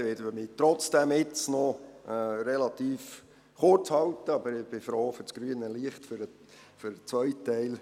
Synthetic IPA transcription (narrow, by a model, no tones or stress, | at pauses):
ʋɪdəʋəmiːt̪ɾɔt͡sd̥ɛmɪt͡snɔ | ɾɛlɑt̪iːf | χʊrt͡shɑlt̪əɑbəɾɪb̥ɪfɾoːfʏɾt͡sɡ̥ɾyənəliəχtfʏɾə | føɾət͡sʋœʏtːɛɪl